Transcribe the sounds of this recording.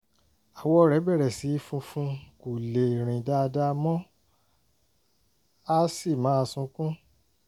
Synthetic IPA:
a˨wɔ˦˧ɾɛ˨˦bɛ˦˨ɾɛ˨si˨˦fũ˧fũ˧ku˨le˨ɾ̃ĩ˨da˦˧da˦˧mɔ̃˦ | a˦si˦˨mã˨˦a˧sũ˧kũ˦

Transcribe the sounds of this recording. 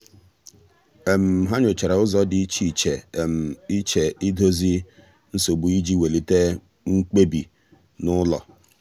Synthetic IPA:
e˨m̩˨ɦa˦ɲʊ˨t͡ʃe˨ɾa˨ʊ˦zɔ˨dɪ˨i˦t͡ʃi˨t͡ʃe˨m̩˨i˦t͡ʃe˨i˦do˦zi˦ | n̩˦so˨bu˨i˦d͡ʒi˦we˨li˦te˦ | ŋŋ͡m̩˦k͡pe˦bḭ˨ | nʊ˦lɔ̰˨

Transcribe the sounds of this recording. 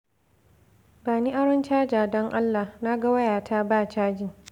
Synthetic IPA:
baː˨ni˦ʔa˦ɽɔ˦nt͡ʃaː˦d͡ʒaː˨dɔ˦ŋʔa˦lːa˨hna˦ɡa˦wɐ˦jaː˨tʰa˦baː˦˨t͡ʃaː˦d͡ʒɪ˨ŋ

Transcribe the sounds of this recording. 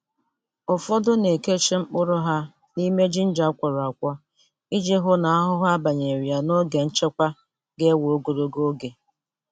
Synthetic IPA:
ʊ˨fɔ˦dʊ˦ne˨ke˦t͡ʃi˦ŋ͡m̩˦k͡pʊ˦ɾʊ˦ɦa˦ | ni˦me˦d͡ʒi˦n̩˦d͡ʒa˨˦kʷɔ˨ɾa˨kʷɔ˦ | i˦d͡ʒi˦ɦʊ˦na˨a˦ɦʊ˦ɦa˦ba˨ɲe˨ɾja˨no˦ɡe˨n̩˦t͡ʃe˦kʷa˦ | ɡe˦wo˨o˦ɡo˨ɾo˦ɡo˦ɡe˨

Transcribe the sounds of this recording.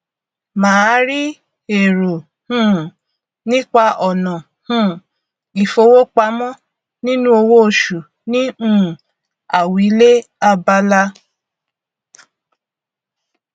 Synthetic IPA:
mãː˨˦ɾi˦ | e˨ɾo˨ | hũ˦˨ | nĩ˦k͡pa˧ʔɔ˨nɔ̃˨ | hũ˦˨ | i˨fo˧˦wo˦k͡pa˧˦mɔ̃˦ | nĩ˦nũ˦o˧wo˦o˨ʃu˨ | nĩ˦ũ˦˨ | a˨wi˨˦le˦ | a˧ba˧la˧˦

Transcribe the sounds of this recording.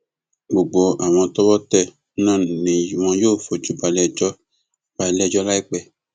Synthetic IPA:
ɡ͡bo˨ɡ͡bo˨a˨w̃ɔ̃˧tɔ˦wɔ˦tɛ˦˨˦ | nãː˦˨nĩ˨˧w̃ɔ̃˧joː˦˨fo˧d͡ʒu˨˦ba˧lɛ˦d͡ʒɔ˦ | b̥a˧˦lɛ˦˨d͡ʒɔ˦la˦i˦k͡pɛ˦˨

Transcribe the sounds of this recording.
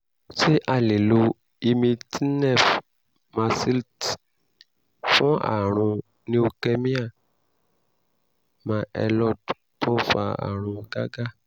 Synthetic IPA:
ʃe˦ʔa˦˨le˨lo˧ | i˧mĩ˧ti˦nɛ˦˨f | ma˧si˦lt | fũ˦a̰˦˨ɾ̃ũ˧ | nĩ˦o˧kɛ˧mĩ˦a˦˨ | mãː˧˦ʔɛ˧lɔ˦dtɔ˦fa̰˧a̰˨ɾ̃ũ˧ɡ̥a˦ɡa˦

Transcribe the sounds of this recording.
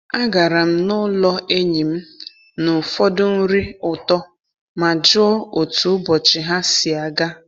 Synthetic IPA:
a˦ɡa˨ɾa˨m̩˦nʊ˦lɔ˦e˦ɲi˨m̩˦ | nʊ˨fɔ˦dʊ˦n̩˦ɾi˦ʊ˨tɔ˦ | ma˨d͡ʒʊ˦ɔ˦o˨tu˨ʊ˦bɔ˨t͡ʃɪ˨ɦa˦si˨a˨ɡa˦

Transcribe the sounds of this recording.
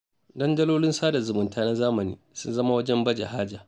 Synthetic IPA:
dɐ˦ndɐ˦loː˦lɪ˦nsaː˦da˨zʊ˨mʊ˨ntaː˦na˦zaː˦mɐ˨nḭː˦sʊ˦nzɐ˦ma˦wɐ˦d͡ʒɛ˦mbɐ˦d͡ʒa̰˨ɦaː˦d͡ʒa˨

